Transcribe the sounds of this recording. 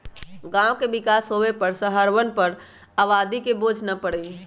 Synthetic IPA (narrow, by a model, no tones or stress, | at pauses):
ɡãːʋkeʋɪkaːsɦoepəɾsəɦəɾʋənpəɾ | aʋaːd̪ikeboːd͡ʒʱnapəɽei